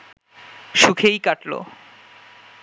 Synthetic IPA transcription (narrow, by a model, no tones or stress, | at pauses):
ʃukʰejkaʈlo̰